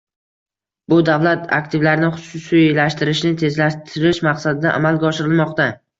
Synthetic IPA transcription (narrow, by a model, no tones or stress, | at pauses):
bʊd̪avlat̪a̰k̚ʲt̪ʰɪvlaɾnɪχʊʊsʊjlaʃt̪ɪɾɪʃnɪt̪ʰe̞zlaʃt̪ʰɪɾɪʃmaqsad̪ɪd̪aʔa̰malɡʲaɒʃɪɾɪlmɒqt̪a